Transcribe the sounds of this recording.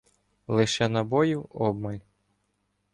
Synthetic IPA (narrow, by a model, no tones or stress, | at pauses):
lˠɪʃɛnɐbɔjiwɔb̚mɐlʲ